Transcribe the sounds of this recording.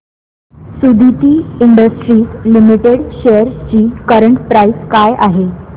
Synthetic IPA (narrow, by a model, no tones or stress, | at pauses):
sud̪ʱit̪iːiɳɖəsʈɾiːslimiʈeɽɕejəɾt͡ɕiːkəɾəɳʈpɾaiskajaɦe